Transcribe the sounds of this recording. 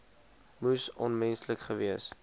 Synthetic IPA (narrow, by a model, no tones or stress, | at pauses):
musɔnmɛnsləkχəviəs